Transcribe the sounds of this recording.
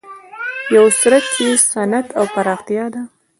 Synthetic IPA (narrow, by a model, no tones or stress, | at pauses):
jawsuɾat̪̚t͡ʃesanat̪awpaɾɑxt̪jɑd̪a